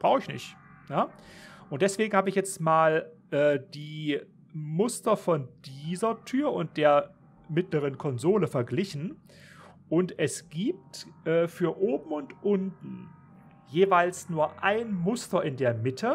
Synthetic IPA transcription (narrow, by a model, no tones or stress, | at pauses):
b̥ʁaʊxɪçnɪ̰çt | jaːʔʊnt̚d̥ɛsv̥eːɡŋ̩haːbəɪçjɛt͡stmaːlʔɛːdiː | mʊstɐfɔnd̥iːzɐtʰyːɐʊnt̚d̥eːɐ | mɪtləʁ̞ənkʰɔnzoːləfɛɐɡlɪçn̩ | ʔʊntɛsɡ̥iːp̚tʔɛːfyːɐʔoːbm̩ʊntʔʊntn̩ | jeːvaɪlsnuːɐʔaɪnmʊstɐʔɪndeːɐmɪtʰə